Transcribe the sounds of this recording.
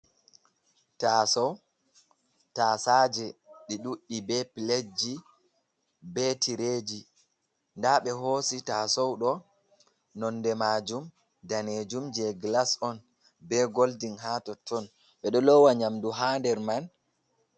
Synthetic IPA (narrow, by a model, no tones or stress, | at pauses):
taːsɔw | taːsaːd͡ʒɛɗiɗuɗːibɛpiled͡ʒi | bɛtiɾeːd͡ʒi | ndaɓɛɦoːsitasɔwɗɔ | nɔndɛmad͡ʒum | daned͡ʒumd͡ʒɛɡlasɔn | bɛɡoldinɦatɔtːɔn | ɓɛɗɔlɔwaɲamduɦaːndɛɾman